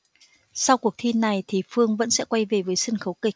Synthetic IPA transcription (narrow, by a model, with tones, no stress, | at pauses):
sa˧wku˨˩ək̚t̪ʰi˧nːa˨˩jt̪ʰi˨˩fɨ˧əŋvə̰˧˥nsɛ̰˧˥kwa˧jve˨˩vəː˨˦jsə˧nxə˨˦wkï˨˩k̟̚